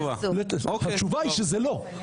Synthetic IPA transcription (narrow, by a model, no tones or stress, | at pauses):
valetohat͡ʃuvaiʃezelo